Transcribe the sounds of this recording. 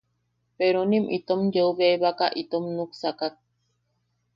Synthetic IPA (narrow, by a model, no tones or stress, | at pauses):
peɾonimʔḭt̪omjeuβeβakaʔit̪omnuksakak̚